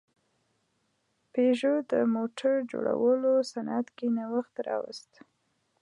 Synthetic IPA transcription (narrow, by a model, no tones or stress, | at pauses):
peʒod̪əmoʈaɾd͡ʒo̰ɽa̰wəlosanʔat̪kinawəxt̪ɾɑwə̰st̪